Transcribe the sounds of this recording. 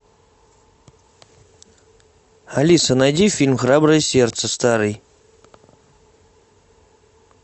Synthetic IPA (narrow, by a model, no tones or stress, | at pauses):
alʲisənadʲifilʲmxrabrɐjsʲert̪səst̪ʰaɾɨj